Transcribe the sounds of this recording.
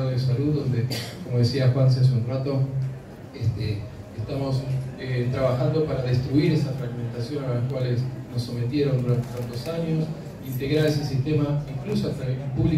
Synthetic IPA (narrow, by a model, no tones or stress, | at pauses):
oðesaluððo̞nd̪ekomo̞ð̞e̞siaxwans̬ens̬unrat̪o̞ | est̪eː | st̪amo̞set̪ɾaβaxand̪o̞paɾaðe̞st̪ɾuiɾe̞safɾaɣme̞nt̪asjo̞nalakwale̞sno̞sːo̞me̞t̪je̞ɾo̞nd̪uɾant̪etant̪o̞saɲo̞s | int̪e̞ɣɾaɾe̞se̞sist̪e̞maiŋklusoat̪aipuβli